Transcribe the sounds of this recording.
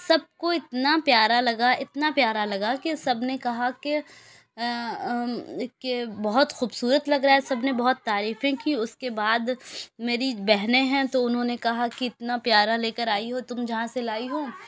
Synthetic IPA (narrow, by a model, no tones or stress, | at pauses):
sɐb̚koɪt̪napjaːɾalɐɡaʔɪt̪napjaːɾalɐɡakesɐbnekɐɦake | kebɐɦʊt̪xuːbsuːɾət̪lɐɡɾaːɦɛsɐbnebɐɦʊt̪ːaːɾiːfẽkiʊskebaːd̪meːɾibɛɦnẽɦɛ̃t̪oʊnɦõnekɐɦakiɪt̪napjaːɾaleːkəɾaːiɦot̪ʊmd͡ʒɐɦãselaːiɦoː